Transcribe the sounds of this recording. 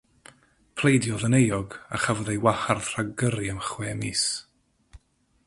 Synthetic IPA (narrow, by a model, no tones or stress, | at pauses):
pʰl̥ˠejdjɔðənejɔɡa̰χavɔðejwaharðraɡəɾjamχwɛːmiːs